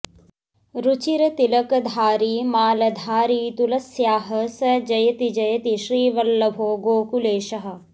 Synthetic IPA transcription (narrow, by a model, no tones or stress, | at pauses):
ɾut͡ʃiɾɐt̪ilɐkɐd̪ʱaːɾiːmaːlɐd̪ʱaːɾiːt̪ulɐsjaːɦɐ̆sɐd͡ʒɐjɐt̪id͡ʒɐjɐt̪iʃɾiːʋɐlːɐbʱoːɡoːkuleːʃɐɦɐ̆